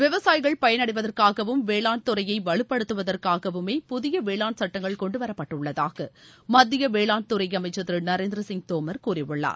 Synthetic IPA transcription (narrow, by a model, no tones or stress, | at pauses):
ʋɪʋɐsaːjɣɐɭpɐjɐnɐɽɪʋɐðɐrkaːɣɐʋɯmʋeːɭaːɳt̪ʊɾɐjɐɪʋɐɭɯpːɐɽɯt̪ːɯʋɐðɐrkaːɣɐʋɯmeːpʊðɪjɐʋeːɭaːnsɐʈːɐŋɡɐɭkɔɳɖɯʋɐɾɐpːɐʈːɯɭːɐða̰ːɣɐmɐd̪ːɪjɐʋeːɭaːnt̪ʊɾɐɪɐmɐɪt͡ʃːɐðɪlnɐɾeːnd̪ɪɾɐsɪŋɡ̚t̪oːmɐɾkuːrɪʋɯɭːa̰ːɾ